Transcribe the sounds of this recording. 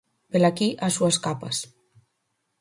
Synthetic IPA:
belakiʔasuaskapɐ̰s

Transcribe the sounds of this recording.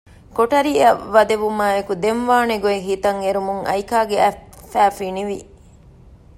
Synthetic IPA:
koʈɐɾiːɐːɐd̪eʋumaːekud̪emʋaːneɡueɦiːt̪ɐŋeɾumuŋɐ̰jkaːɡeæfːæːfiniʋi

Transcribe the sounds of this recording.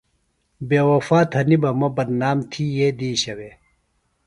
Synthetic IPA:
beːwɐfaːt̪hɐnibɐmɐbɐnnaːmt̪ʰiːjeːd̪iːɕɐweː

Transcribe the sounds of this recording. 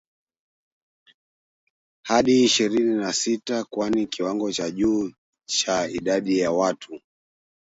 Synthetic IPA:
haɗiːʃiɾininasitakwanikiwaŋɡɔt͡ʃaʄuː | t͡ʃaiɗaɗijawatʰu

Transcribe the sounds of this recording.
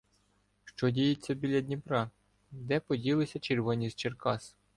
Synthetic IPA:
ʃt͡ʃɔdʲijetʲːɐbʲilʲɐdʲnʲipɾɑ | d̪ɛpɔdʲilˠɪsʲɐt͡ʃerʋɔnʲizt͡ʃerkɑs

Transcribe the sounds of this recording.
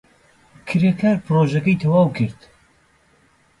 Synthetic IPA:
kʰɨɾekʰaːɾpʰɨɾoʒɐkɐjt̪ʰɐwaːwkʰɨɾt̪

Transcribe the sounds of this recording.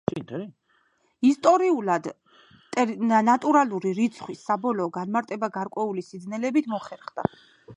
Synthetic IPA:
t̪ | ist̪ʼɔɾiulad̪ʼ | nat̪ʼuɾalˠuɾiɾit̪sʰχwisːabɔlɔːɡanmaɾt̪ʼɛbaɡaɾkʼwɛulisid̪znɛlɛbit̪ʰmɔχɛɾχd̪a̰

